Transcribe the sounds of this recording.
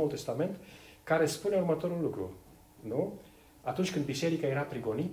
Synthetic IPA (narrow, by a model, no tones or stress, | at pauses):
ult̪e̞st̪ame̞nt̪kaɾe̞spune̞urmət̪o̞ɾulːukɾṵ | nu | at̪unt͡ʃʲkɨnd̪bise̞ɾikajeɾapɾiɡo̞nit̪